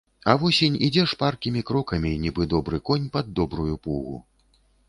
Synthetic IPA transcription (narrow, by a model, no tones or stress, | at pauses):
ɐvɔsʲenʲid͡zʲɛʂparkʲimʲikɾɔkɐmʲinʲibɨd̪ɔbɾɨkɔnʲpɐd̪ːɔbɾujupuɣṵ